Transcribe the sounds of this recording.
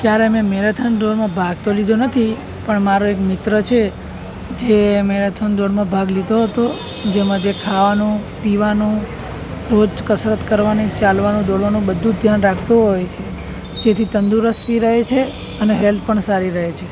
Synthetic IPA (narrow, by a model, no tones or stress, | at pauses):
kjaɾemẽmeɾat̪ʰənd̪oɾmãbʱaɡ̚t̪olid̪ʱonət̪ʰi | pəɳmaɾoekmɪt̪ɾət͡ʃʰe | d͡ʒemeɾat̪ʰənd̪oɾmãbʱaɡlid̪ʱoɦət̪o | d͡ʒemãd͡ʒekʰaʋanũpiʋanũ | ɾod͡ʒkəsɾət̪kəɾʋanit͡ʃalʋanũd̪oɽʋanũbəd̪ʱːũd̪ʱjanɾakʰt̪uɦojt͡ʃʰe | d͡ʒet̪ʰit̪ənd̪uɾəst̪iɾəɦet͡ʃʰe | əneɦɛlt̪̚ʰpəɳsaɾiɾəɦet͡ʃʰe